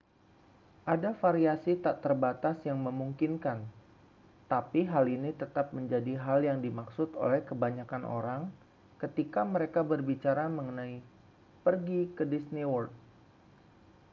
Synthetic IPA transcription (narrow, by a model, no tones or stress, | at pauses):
ʔadafaɾiasit̪aʔt̪ərbat̪asjaŋməmuŋkinkan | t̪apiɦalinit̪ət̪ap̚məɲd͡ʒadiɦaljaŋdimaksʊt̪o̰lɛhkəbaɲakanʔo̰ɾaŋ | kət̪ikaməɾekabərbit͡ʃaɾaməŋənai | pərɡikədisniwɔrt̪̚